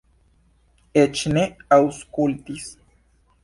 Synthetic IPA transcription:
et͡ʃneauskult̪is

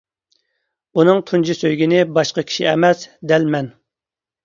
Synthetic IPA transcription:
unɨŋt̪ʰund͡ʒisøjɡʲinɪbɑʃqɑkʲʰi̥ʃiɛmɛsd̪ɛlmɛn

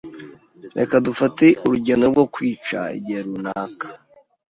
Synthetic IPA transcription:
ɾe̞̰kadufateʔuɾuɟe̞no̞ɾɡo̞kwiːt͡ʃa̰ḭɟiheɾunaːkḁ

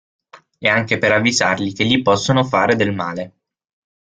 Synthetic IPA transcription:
ɛaŋkepeɾavːizarlik̟eʎːipɔsːonofaːɾed̪elmaːle

